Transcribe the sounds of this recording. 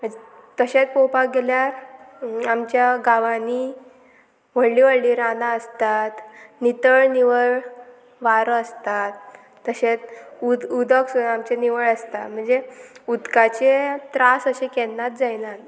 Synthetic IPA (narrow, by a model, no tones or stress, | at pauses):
m̤əɳd͡ze | t̪əɕet̪powpak̚ɡeljaɾ | amt͡ɕjaɡaʋani | ʋəɽliːʋəɽliːɾanaəst̪at̪nit̪əɭniʋəɭ | ʋaɾəst̪at̪ː | əɕet̪ud̪ud̪əksuamt͡ɕeniʋəɭəst̪at̪m̤əɳd͡zeud̪kat͡ɕet̪ɾasəɕekɛnːat̪̚d͡zajnat̪